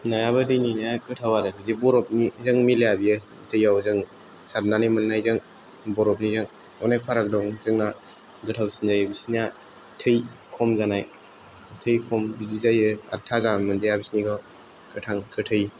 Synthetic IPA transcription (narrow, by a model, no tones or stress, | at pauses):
najaβɯdɯjninakɯtʰawaɾɯkʰɯzibɔɾɔp̚nizɯŋmilejabijɯ | tʰɯjawzɯŋ | saɾnanimɯnːajzɯŋ | bɔɾɔp̚nizɯŋ | ɔnek̚pʰaɾak̚dɔŋzɯŋna | ɡɯtʰawsinzajɯbisina | tʰɯjkʰɔmzanaj | tʰɯjkʰɔmbizizajɯa̰tʰazamɯnzajabisniɡɔ | kɯtʰaŋkʰɯtʰɯj